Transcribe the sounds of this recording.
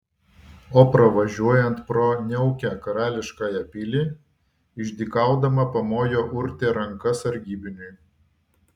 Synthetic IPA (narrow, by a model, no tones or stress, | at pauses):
oːpɾɐʋɐʒʲuɔjɛnt̪pɾoːnʲɛʊkʲæːkɐɾɑːlʲɪʃkɑːjɛpʲɪlʲiː | ɪʒʲd̪ʲikɑˑʊd̪ɐmɐpɐmoːjoːʔʊɾʲt̪ʲeːɾɐŋkɐsɐɾʲɡʲiːbʲɪnʲʊɪ